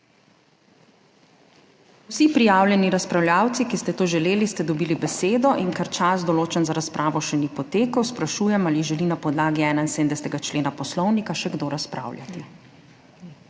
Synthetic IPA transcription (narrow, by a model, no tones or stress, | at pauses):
usipɾijaːwlʲjɛniɾaspɾawljaːwt̪sikist̪ɛt̪oːʒɛleːlist̪ɛd̪ɔbiːlibɛseːd̪ɔʔiŋkaɾt͡ʃasd̪ɔloːt͡ʃɛnzaɾaspɾʔaːʋɔʃɛnipɔt̪eːkəwspɾaʃuːjɛmaliʒɛlinapɔd̪laːɡiɛːnainsed̪nd̪ɛst̪ɛɡat͡ʃleːnapɔslɔwnikaʃɛɡd̪oɾaspɾa̰ːwlja̰t̪i